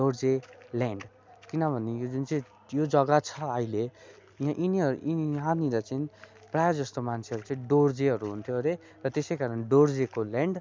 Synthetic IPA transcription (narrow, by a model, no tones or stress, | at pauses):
ɖord͡zelaɳɖ | kinʌbʱʌnejod͡zunt͡saĩ | jod͡zʌɡat͡sʰʌːile | jãʔiniʌɾuʔiniɦãniɾʌt͡saĩ | prajed͡zʌst̪omant͡sʰeɦʌɾut͡saĩɖord͡zeɦʌɾuɦunt̪ʰjoɦɾe | rʌt̪esʌjkaɾʌnɖord͡zekolaɳɖ